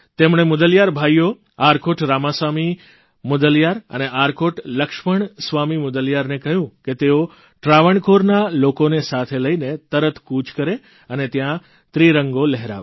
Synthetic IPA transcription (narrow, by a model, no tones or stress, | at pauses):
t̪emɳ̃emʊd̪əljaɾbʱajo | aɾkʰoʈɾamasʋami | mʊd̪əljaɾə̰neʔaɾkʰoʈləkʃməɳsʋamimʊd̪əljaɾnekəɦjũket̪eo | ʈɾaʋəɳkoɾnalokonesat̪ʰeləinet̪əɾət̪kut͡ʃkəɾe | ənet̪jã | t̪ɾiɾəŋɡoləɦeɾa̰ʋe